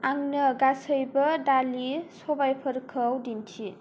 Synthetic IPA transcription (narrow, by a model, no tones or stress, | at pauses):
aŋnəɡasəjbɐdalisobajpʰəɾkʰəwdintʰi